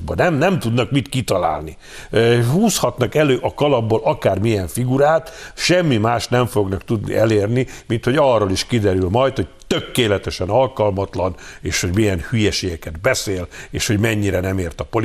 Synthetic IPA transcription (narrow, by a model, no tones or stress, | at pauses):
bɒnɛmnɛmt̪ud̪nɒkmit̪kit̪ɒla̰ːlni | ɦuːshɒt̪nɒkɛløːʔɒkɒlɒbːolʔɒkaːrmijɛɱfiɡuɾaːt̪ʃɛmːimaːʃnɛɱfo̞ɡnɒkt̪ud̪nḭʔɛleːrnimint̪ho̞ɟɒrːoliʃkid̪ɛɾylmɒjt̪ho̞c̚t̪økːeːlɛt̪ɛʃɛnɒlkɒlmɒt̪lɒneːʃho̞ɟmijɛnhyjɛʃeːɡɛkɛd̪bɛseːleːʃho̞ɟmɛɲːiɾɛnɛmeːrt̪ɒpol